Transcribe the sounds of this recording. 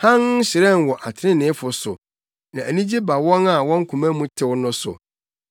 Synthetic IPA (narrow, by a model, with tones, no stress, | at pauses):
hã˦n̩˦ɕɪ˨ɾɛ˦n˨wɔ˨ʔa˨tʰɪ̃˦nɪ̃˨˦fʊ˨sʊ˨ | nã˨ʔæ˨nĩ˦d͡ʑi˦ba˨wɔ̃˦na˨wɔ̃˦ŋ̩˦kʰũ˨mæ̃˦mũ˦tʰɪ˦wnʊ̃˦sʊ̰˨